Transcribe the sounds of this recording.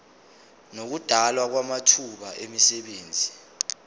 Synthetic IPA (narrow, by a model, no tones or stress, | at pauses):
nok̬ud̥ʱalwak̬wamatʰuɓaʔemisɛɓeːnd͡zʱi